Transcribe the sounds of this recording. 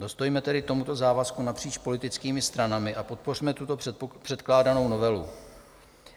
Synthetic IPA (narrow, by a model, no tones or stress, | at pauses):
do̞st̪ojmɛt̪ɛdɪt̪o̞mut̪o̞zaːvaskunapr̝̥iːt͡ʃpo̞lɪt̪ɪt͡skiːmɪst̪ɾanamɪʔapo̞t̪̚po̞r̝mɛt̪ut̪o̞pr̥ɛt̪klaːdano̞wno̞vɛlṵ